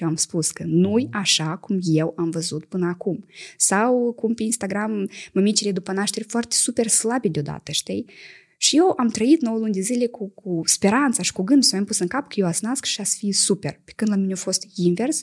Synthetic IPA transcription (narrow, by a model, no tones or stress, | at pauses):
eamspuskənujaʃakumje̞wamvəzut̪pɨnəakumsawkumpeinst̪aɡɾamːəmit͡ʃiled̪upənaʃt̪e̞rʲfoart̪esupe̞rslabed̪eo̞d̪a̰t̪əʃt̪ij | ʃijewʔamt̪ɾəit̪no̞wəlunʲd̪ezilʲe̞kʰukʰuspe̞ɾant̪saʃi̥kuɡɨnd̪usawmjampusɨŋkapkəjewasnaskʃiasfisupe̞̰rpekɨnd̪lamineofo̞st̪inve̞rs